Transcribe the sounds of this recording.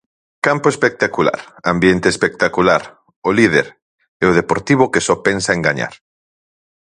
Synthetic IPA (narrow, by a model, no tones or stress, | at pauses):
kampoespek̚t̪akula̰ɾambjent̪eːspek̚t̪akulaɾ | olið̞eɾ | eoð̞epoɾt̪iβ̞okesɔpensaẽŋɡaɲa̰ɾ